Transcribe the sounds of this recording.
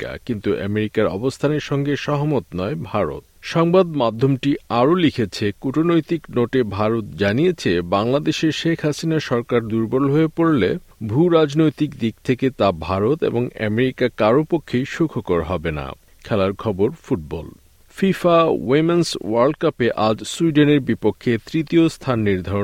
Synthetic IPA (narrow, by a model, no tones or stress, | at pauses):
a̰kint̪uʔɛ̰meɾikaɾɔ̰bost̪ʰaneɾʃɔŋɡeʃɔɦomot̪nɔebʱaɾo̰t̪̚ʃɔŋbad̪mad̪ʱːomʈiaɾolikʰet͡ɕʰekuʈʰonojt̪iknoʈebʱaɾot̪̚d͡ʑanijet͡ɕʰebaŋlad̪eʃeɾʃekʰhasinaɾʃɔɾkaɾd̪uɾbolɦoepoɾle | bʱuɾad͡ʑnojt̪ikd̪ik̚t̪ʰeket̪abʱaɾot̪ḛboŋɛ̰meɾikakaɾopokʰːejʃukʰokoɾɦɔbena̰ | kʰɛlaɾkʰɔboɾfuʈ̚bɔ̰l | fifawemenswaɾɖkapeʔad͡ʑsuiɖeneɾbipokʰːet̪ɾit̪iost̪ʰanːiɾd̪ʱao